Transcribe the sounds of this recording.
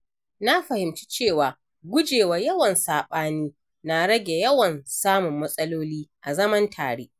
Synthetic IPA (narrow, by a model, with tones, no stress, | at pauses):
na˦ɸɐ˨hɪ˨mt͡ʃi̥˦t͡ʃeː˦˨waː˨ | ɡʷʊ˦d͡ʒeː˨wa˨jɐ˦wɐ˨nsaː˨ɓaː˦niː˦ | na˨ɽɐ˦ɡʲe˨jɐ˦wɐ˨nsaː˦mʊ˨mːɐ˦sʼɐ˦loː˦liː˦ʔa˨zɐ˦mɐ˦ntʰaː˨ɽeː˦ʔ